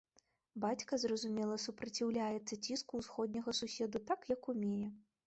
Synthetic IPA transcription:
bat͡sʲkɐzrɐzumʲɛlˠɐsupɾɐt͡sʲiwlʲajɛt̪sːɐt͡sʲiskusxɔd̪ʲnʲɐɣɐsusʲɛd̪ut̪akjɐkumʲejɛ

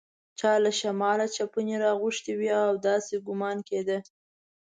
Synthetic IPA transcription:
t͡ʃɑlaʃamɑlat͡ʃapəneɾɑɣʊʃt̪iwiawd̪ɑseɡʊmɑnked̪ə

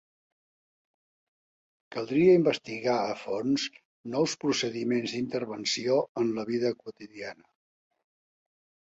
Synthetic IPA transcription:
kəlˠd̪ɾiəimbəst̪iɣaəfonz | nɔwspɾusəðimenzd̪int̪əɾβənsioənləβiðəkwut̪iðianə

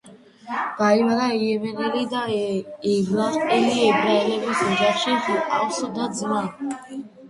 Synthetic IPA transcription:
b̥aiwaɾaijɛmɛnɛlid̪aɛblaɛliɛbɾaɛlɛbisɔd͡ʒaχʃiχualsɔd̪ad̪zma

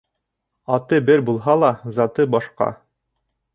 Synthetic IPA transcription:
ɑt̪ɤbɘɾbulˠɦɑlˠɑzɑt̪ɤbɑʃqɑ̰

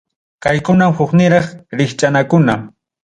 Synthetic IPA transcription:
kajkʊnamhʊχnɪɾɑχɾɪχt͡ʃʼanakʊna

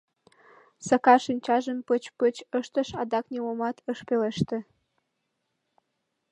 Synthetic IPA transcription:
səkɑʃinʲt͡ɕɑʒəmpət͡ɕpət͡ɕəʃt̪əʃɑd̪ɑknʲimomɑt̪əʃpeleʃt̪ĕ

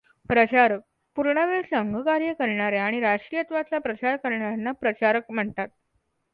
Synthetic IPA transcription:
pɾət͡ɕaɾək̚ | puɾɳaʋeɭsəŋɡʱəkaɾjəkəɾɳaɾeaɽ̃iɾaʂʈɾijət̪ʋat͡sapɾət͡ɕaɾkəɾɳaɾanːapɾət͡ɕaɾək̚m̤əɳt̪at̪̚

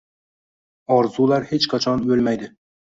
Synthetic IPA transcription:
ɒɾzulˠaɾhet͡ʃqʰɑt͡ʃʰɒnɵlmæjd̪ɪ

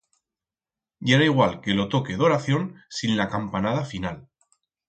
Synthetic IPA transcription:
ɟ͡ʝeɾaiɣ̞walke̞lo̞t̪o̞ke̞ðo̞ɾaθjo̞nsinlakampanað̞afinal

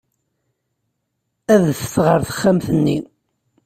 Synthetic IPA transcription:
æðθθʁəɾθə̥χːæmθənːi

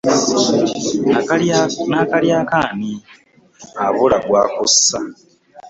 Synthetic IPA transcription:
nakaljaːkaːni | aβulaɡwaːkusa

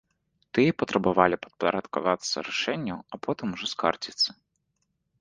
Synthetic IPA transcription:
t̪ɨjɛpɐt̪ɾɐbavalʲipɐ̥d̪̚pɐɾɐt̪ka̰vat̪sːɐ̰ɾaʂɛnʲːɐwɐpɔt̪ɨmuʐɔska̰rt͡sʲit̪sɐ̥

